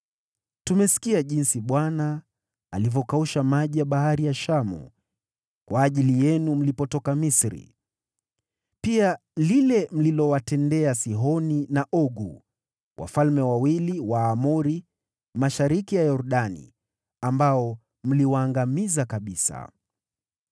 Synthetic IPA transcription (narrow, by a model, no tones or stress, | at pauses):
tumɛsi̥kiaʄinsiɓwanaː | livɔkauʃamaʄijaɓaɦaɾijaʃamṵ | kwaːʄilijɛnum̩lipɔtɔkamisɾḭ | pia | lilɛm̩lilɔwatɛndɛasiɦɔninaʔɔɡṵ | wʔa̰falmɛwawiliwaːmuɾi | maʃaɾikijajɔɾɗanḭ | ambaɔ | m̩liwaːŋɡamizakaɓisa̰